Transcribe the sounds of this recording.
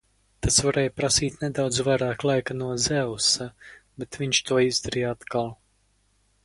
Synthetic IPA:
t̪asvaɾɛːjpɾasiːt̪ned̪awd̪zvajɾaːklˠajkanuɔzɛwsabɛt̪vʲiɲʲʃt̪uɔizd̪aɾijat̪kalˠ

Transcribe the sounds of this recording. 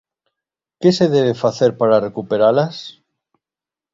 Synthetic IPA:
ke̞se̞ðeβefaθe̞ɾpaɾare̞kupeɾalas

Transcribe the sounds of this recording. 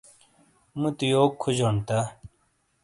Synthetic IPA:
mut̪ijoːkʰːud͡ʑoːnt̪a

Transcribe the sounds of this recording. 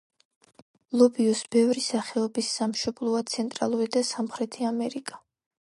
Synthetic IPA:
lˠɔbiɔsb̥ɛvɾisaχɛɔbisːamʃɔblˠɔat̪sʰɛnt̪ʼɾa̰lˠuɾid̪asamχɾɛt̪ʰiamɛɾikʼḁ

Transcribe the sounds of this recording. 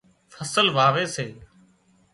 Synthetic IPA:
fəsəlʋaːʋeːseː

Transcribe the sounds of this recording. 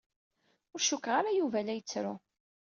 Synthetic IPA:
ʊɾʃukʁaɾajuvælæjət͡sːɾʊ

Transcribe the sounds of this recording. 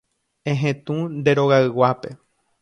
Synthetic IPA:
ẽɦẽt̪ũnd̪e̞ɾo̞ɣaɨwape̞

